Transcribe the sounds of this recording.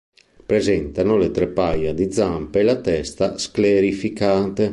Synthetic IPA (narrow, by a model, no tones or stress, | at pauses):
pɾezɛnt̪anolet̪ɾepajad̪id̪zampelat̪ɛst̪askleɾifikaːt̪e